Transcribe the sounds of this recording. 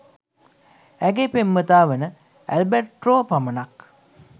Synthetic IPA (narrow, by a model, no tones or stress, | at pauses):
æɡepemːət̪aːʋənə | æ̰lberʈroːpamənak